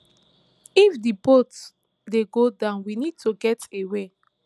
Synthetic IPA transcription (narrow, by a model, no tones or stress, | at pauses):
ifdibot | deɡodãʊ̃nwinid̚tʰuɡɛtewe